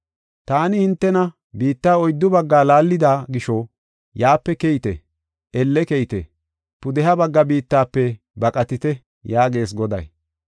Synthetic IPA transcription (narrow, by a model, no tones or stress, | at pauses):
t̪aːnɪhɪnt̪ːɛnɐ | biːt̪ːaːɔjd̪ːʊbɐɡːaːlaːlːɪd̪aːɡɪʃo | jaːpːɛkɛjt̪ɛ̰ | ɛlːɛkɛjt̪ɛ̰ | pʊd̪ɛɦɐbɐɡːɐbiːt̪ːaːpːɛ | bɐkʼɐt̪ɪt̪ɛ | jaːɡe̞ːs̬ɡɔd̪ɐ̰j